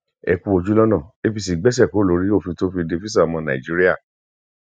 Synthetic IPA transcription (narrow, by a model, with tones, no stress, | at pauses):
ɛ̰˧˨ku˧˦o˧d͡ʒu˦lɔ˦nã˦˨e˦fi˧si˨ɡ͡bɛ˦s̬ɛ˦˨ko˨˦lo˨˦ɾi˦o˦˨fĩ˧to˦fi˧de˧fi˦sa˦˨a˨mɔ̃˧nã̰˨ḭ˨d͡ʒi˦ɾi˦a˦˨